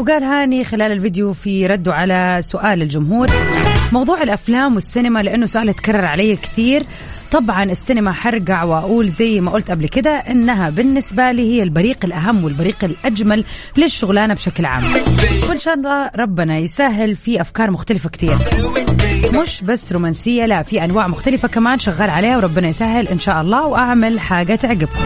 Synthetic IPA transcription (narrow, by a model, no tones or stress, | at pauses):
wɡaːlɦaːnixɪlaːlɪlvɪd̪jufiɾˤɑd̪ːuʕalasʊʔaːlɪld͡ʒʊmɦuːɾmɑwðˤuːʕɪlʔaflaːmwɪsːɪnɪmalɪʔanːʊsʊʔaːlhat̪kɑrˤːɑɾˤʕalajːakɪ̥t̪iːɾ | t̪ˤɑbʕɑnʔɪsːɪnɪmaħɑɾˤɡaʕwʔaʔuːlzajːmaʔʊlt̪ʔablkɪd̪aʔɪnːaɦabɪnːɪsbaliːhɪjːɪlbaɾiːqɪlʔaɦamːwɪlbaɾiːqɪlʔad͡ʒmal | lɪʃːʊɣlaːnabʃaklʕa̰ːmːwɪnʃaːʔɑlˤːɑːɾˤɑbːɪnajɪsaːɦɪlfiʔafkɑːɾˤmʊxt̪alɪfakt̪iːɾ | mʊʃbasːɾuːmaːnsɪjːalaʔfiʔanwaːʕmʊxt̪alɪfakamaːnʃaɣːaːlʕaleːhawɾˤɑbːɪnajsaːɦɪlʔɪnʃaːʔɑlˤːɑːwʔaʕmalħaːɡat̪ɪʕɡɪba